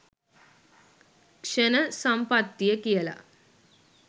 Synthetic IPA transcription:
kʂɐnɐsɐmpɐt̪ːijɐkijɐlɐ̰

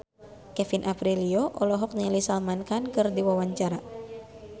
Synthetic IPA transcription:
kɛfinʔapɾiliɔʔɔlɔɦɔk̚ɲilisalmankankɨrdiwawaɲt͡ʃaɾa

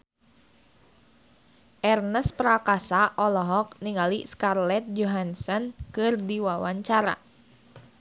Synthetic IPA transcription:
ʔɛrnəspɾakasaʔɔlɔɦɔk̚niŋaliskarlɛt̪̚d͡ʒɔɦansɔnkɨrdiwawaɲt͡ʃaɾa̰

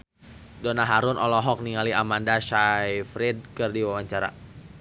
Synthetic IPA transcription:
donaɦaɾʊnɔlɔɦɔk̚niŋaliamandaʃajfɾɛd̚kɨrdiwawaɲt͡ʃaɾa̰

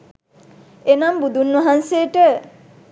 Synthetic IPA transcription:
enambud̪unʋɐɦansejəʈə

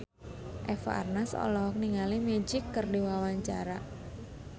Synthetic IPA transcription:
ʔɛfa̰rnasɔ̰lɔk̚niŋalimed͡ʒɪkːərdiwawaɲt͡ʃaɾa

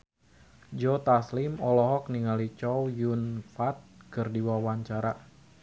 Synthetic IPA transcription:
d͡ʒɔt̪aslimɔlɔɦɔk̚niŋalit͡ʃɔwjunfat̪̚kɨrdiwawaɲt͡ʃaɾa

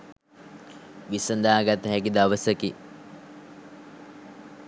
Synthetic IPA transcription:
ʋisənd̪aːɡat̪əɦækid̪aʋəsəki

